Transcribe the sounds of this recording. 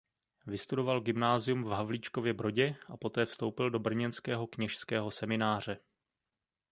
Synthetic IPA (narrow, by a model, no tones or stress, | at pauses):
vɪst̪udo̞valɡɪmnaːzɪjumvɦavlit͡ʃko̞vjɛbɾo̞ɟɛʔapo̞t̪ɛːfst̪o̞wpɪldo̞br̩ɲɛnskɛːɦo̞kɲɛʃskɛːɦo̞sɛmɪnaːr̝ɛ